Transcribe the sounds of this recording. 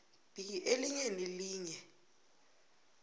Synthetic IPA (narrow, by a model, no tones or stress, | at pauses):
b̥iʔeliɲeniliːɲɛ